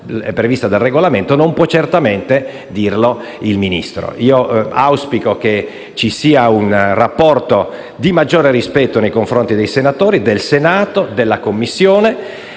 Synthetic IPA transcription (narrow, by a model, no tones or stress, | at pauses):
ɛ̰pːɾevist̪ad̪elreɡolament̪onompwɔt͡ʃːert̪ament̪e | d̪iːrlo | ilminḭst̪ɾo̰ʔiːoawspikoke | t͡ʃisiːaunrapːɔrt̪o | d̪imad͡ʒːoːɾeɾispɛt̪ːonejkoɱfɾont̪id̪ejsenat̪oːɾid̪elsenaːt̪od̪elːakomːisːjoːne